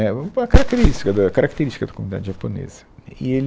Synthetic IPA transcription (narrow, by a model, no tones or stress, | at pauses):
ɛɐkɐɾɐkt̪eeɾiʃt̪i̥kɐd̪ɐkɐɾɐkt̪eɾiʃt̪ikɐd̪ɐ̥komunid̪a̰d̪ʒɐponḛzɐḭel